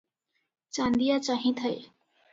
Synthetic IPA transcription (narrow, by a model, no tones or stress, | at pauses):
t͡ʃãnd̪ijat͡ʃaɦĩt̪ʰəj